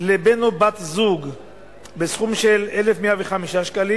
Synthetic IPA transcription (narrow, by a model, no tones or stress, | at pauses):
lebenobat̪zuɡ | besχumʃelelefmeaveχamiʃaʃkali